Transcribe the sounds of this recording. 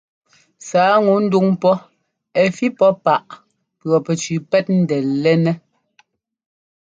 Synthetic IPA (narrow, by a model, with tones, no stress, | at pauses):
saː˨˦ŋu˨˦n̩˦du˦ŋpɔ˦ | ɛ˨fi˦pɔ˦pa˨ʔ | pɰɔ˨pɛ˨t͡ʃʉ˨pɛ˦t̚n̩˦dɛ˨lɛ˦nɛ˦